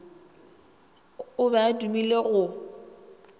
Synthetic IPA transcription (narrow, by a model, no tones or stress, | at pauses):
ʊbadumileɣʊ